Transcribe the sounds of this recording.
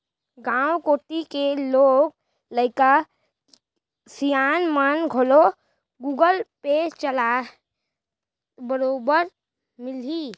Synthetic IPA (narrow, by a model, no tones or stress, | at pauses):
ɡãːwkoːʈikeloːɡ̚ | ləɪka | sijaːnmanɡʱolo | ɡuːɡəlpet͡ʃəla | bəɾoːbəɾ | mɪliː